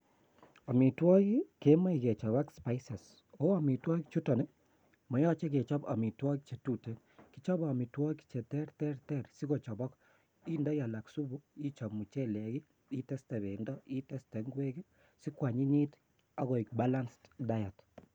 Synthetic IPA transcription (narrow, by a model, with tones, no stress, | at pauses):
a˨mi˨twɔ˦ki˦ke˦ma˦i˨ke˨t͡ʃɔ˨βa˦kspa˦ɪsɛ˨s | o˦a˦mi˨twɔ˦kt͡ʃu˦tɔ˨nɛ˦ | mɔ˨jɔ˦t͡ʃe˦ke˨t͡ʃɔ˦ba̰˨mi˨twɔ˦kit͡ʃe˨tu˦te˨n | ki˨t͡ʃɔ˦bɔ˨mi˨twɔ˦ki̥˦t͡ʃe˨tɛ˦ɾtɛ˦rtɛ˦˨ɾsi˦ɣo˨t͡ʃɔ˨bɔ˦k | i˦ndɔ˦ja˨la˨ksu˦bu˦i˦t͡ʃɔ˨bmu˨t͡ʃe˦lɛ˨ɡi˦ | i˦tɛ˦stɛ˨βe˨ndɔ˦i˦tɛ˦stɛ˨ŋɡwe˦ɡe˦ | sɪ˦kwa˨ɲɪ˦ɲi˦t | a˦ɣɔ˨i˨k̚ba˦la˦nstda˦ja˨t